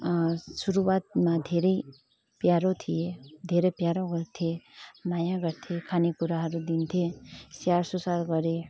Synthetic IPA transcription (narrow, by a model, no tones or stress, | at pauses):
suɾuwat̪̚mad̪ʱeɾʌj | pjaɾot̪ʰijed̪ʱeɾʌjpjaɾoɡʌɾt̪ʰiemajãɡʌɾt̪ʰekʰanekuɾaɦʌɾud̪int̪ʰesjarsusaɾɡʌɾe